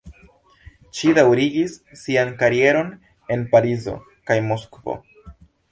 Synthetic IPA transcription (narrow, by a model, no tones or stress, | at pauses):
ʃidawɾiɡisːiankaɾie̞ɾo̞n | e̞npaɾizo̞̰ | kajmoskvo̰